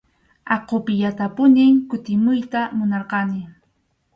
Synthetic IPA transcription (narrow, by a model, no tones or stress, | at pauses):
ɑqopɪʎat̪apʊnɪŋkʊt̪ɪmʊjt̪amʊnɑɾqɑnɪ